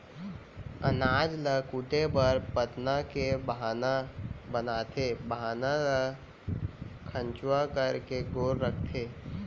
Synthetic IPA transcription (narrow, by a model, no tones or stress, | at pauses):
ənaːd͡ʒləkʊd̪ebəɾpət̪nakebəɦaːnabənaːt̪ʰebəɦaːnalə | kʰə̃nt͡ʃwakəɾkeɡoːɾɾəkʰt̪ʰeː